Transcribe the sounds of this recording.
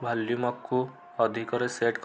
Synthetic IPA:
bʱɐlːjumɐkːu | əd̪ʱikɔɾeseʈk

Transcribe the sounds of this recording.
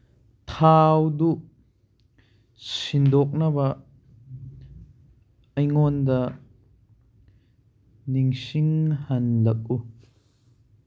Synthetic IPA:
t̪ʰawd̪uʔ | sind̪ɔk̚nɐbɐ | ɐjŋɔnd̪ɐ | niŋsiŋhɐnlɐk̚u

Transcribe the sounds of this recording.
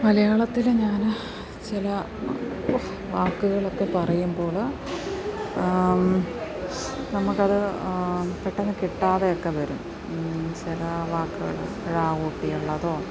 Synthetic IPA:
mɐlɐjaːɭɐt̪ːilɲaːn | t͡ɕilɐ | ʋaːkːuɣɐɭokːe̞pɐrɐjumbo̞ːɭ | nɐmukːɐðɨ | peʈːenːɨkiʈːaːðeokːe̞ʋɐɾum | t͡ɕilɐʋaːkːuɣɐ̰ɭ | eɻaːɣoːʈːijuɭːɐðo̞ː

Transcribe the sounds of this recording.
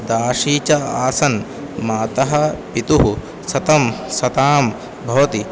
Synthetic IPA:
d̪aːʂiːt͡ʃɐaːsɐn | maːt̪ɐɦɐ̆pit̪uɦu | sɐt̪ɐmsɐt̪aːm | bʱɐʋɐt̪i

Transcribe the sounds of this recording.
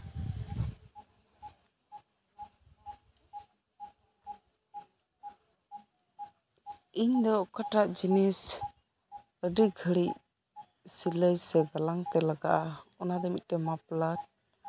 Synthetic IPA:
iɲd̪ɔkaʈaʔd͡ʒinis | əɖiɡʱəɽic̚ | siləjsɛɡalaŋt̪ɛlaɡa̰ʔaɔnad̪ɔmit̪̚ʈɛmaplaʈ̚

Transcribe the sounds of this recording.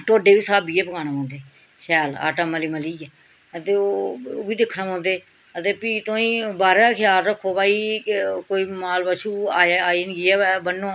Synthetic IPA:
ʈoːɖeːʋiːsaːbiːeːpəkʰaːnaːpãːnd̪eː | ʃɛːla̰ːʈaːmaliːməliːɛ | ət̪eːoːoːbiːd̪ɪkʰːnãːmãːnd̪eː | ət̪eːpiːt̪õːĩːbaːɾaːkʰɪjaːlɾəkʰːoːbaːiːkoːiːmaːlbaːʃuːaaːiːnɡiːɛːɛːbənːõː

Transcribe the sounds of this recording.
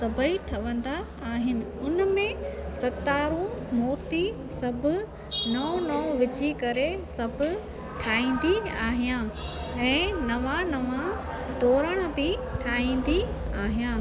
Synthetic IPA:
sɐbʱəiʈʰɐʋə̃nd̪a | aːɦɪnɪ̆ʊnmẽsɐt̪aːɾõmɔːt̪i | sɐbʱʊ | nɐõnɐʊʋɪd͡ʑikɐɾesɐbʱʊ̆ | ʈʰaːĩːnd̪iaːɦijãɛ̃ːnɐʋãnɐʋã | d̪ɔːɾəɽ̃̆bɪʈʰaːĩːn̆d̪i | aːɦijãː

